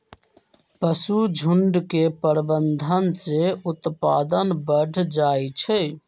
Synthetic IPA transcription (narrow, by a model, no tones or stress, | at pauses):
pəsud͡ʒʱuɳɖkepəɾbənd̪ʱənseut̪pad̪ənbəɖʱd͡ʒajt͡ʃʰɛ